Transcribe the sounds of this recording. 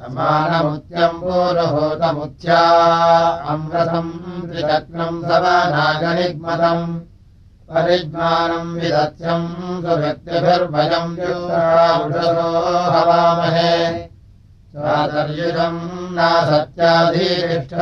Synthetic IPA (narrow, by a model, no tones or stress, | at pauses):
ɐmaːnɐmut̪jɐmpoːɾɐɦoːt̪ɐmut̪jaː | ɐmɾɐt̪ʰɐmp̪ɾitɐk̚nɐmsɐbanaːɡɐniɡ̚mɐt̪ɐm | pɐɾid̪maːnɐmʋisɐt̪t͡ʃʰɐmsuɾɐt̪jɐd̪ʱɐɾbʱɐd͡ʒɐmp̪uːt̪ɐaːɾuʈɐt̪oːɦɦɐʋaːmɐɦe | sʋaːsɐɾjut̪ɐmnaːsɐt̪jaːd̪ʱiɾiʂʈʰɐ